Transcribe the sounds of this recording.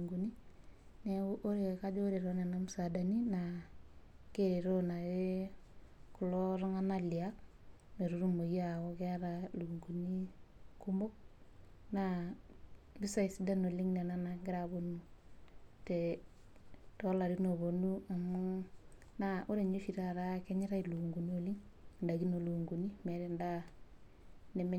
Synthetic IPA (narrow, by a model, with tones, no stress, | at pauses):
ŋɡu˨ni˦ne˨ʔo˦ɾe˨ka˦d͡ʒo˦ɾe˨ɾo˦ne˨na˦musada˨ni˦na | ke˦ɾe˨ɾo˦na˨ɾe˦ | ku˨lɔ˦ɾɔ˦ŋa˦nali˨a˦k | me˨ɾu˦ɾu˦mo˨jawɔ˦kɛ˦a˦ɾaluŋɡu˨ni˦ku˦mo˦k̚na | bi˦sa˦i˨si˦da˦no˨li˦ŋne˨na˦naŋɡɪ˦ɾa˨bo˨nu˦ | tɛ˨ | tɔ˦la˨ɾi˦no˨βo˨nu˦a˨mu˦ | naʔu˦ɾe˨ɲe˦fi˨ɾa˦ɾa˦kɛ˦ɲɪ˦ɾa˦ilu˨ŋɡu˨ni˦o˨li˦ŋ | nda˨ɡi˦no˨lu˨ŋɡu˨ni˦me˨ɾe˦nda˦ | ne˨m˦